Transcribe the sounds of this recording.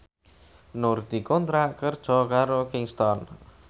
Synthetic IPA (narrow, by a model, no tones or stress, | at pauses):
nurd̪̥i̤kɔnt̪ɾaʔkərd̥ʒ̥ɔ̤kaɾokiŋst̪ɔn